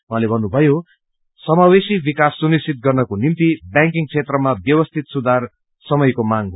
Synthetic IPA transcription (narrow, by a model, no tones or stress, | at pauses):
wʌɦalebʱʌnːubʱʌjo | sʌmawesibikasːunist͡sit̪̚ɡʌrnʌkonimt̪ibjãŋkiŋt͡sʰet̪rʌmabjʌwʌst̪ʰit̪sud̪ʱar | sʌmʌjkomaŋ